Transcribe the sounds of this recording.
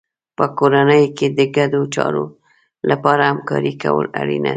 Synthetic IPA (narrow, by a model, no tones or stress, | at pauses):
pəkoɾanəjked̪əɡad̪ot͡ʃɑɾo | lʔapɑɾahamkɑɾikawə̰laɽina